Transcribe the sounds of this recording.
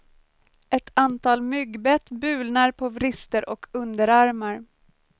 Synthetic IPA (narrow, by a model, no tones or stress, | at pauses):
ʔɛt̪ʰant̪ʰɑːlmʏɡbɛt̪bʉ̟ːlnaɾpʰovɾɪst̪əɾʔɔkʰɵnd̪əɾaɾmaɾ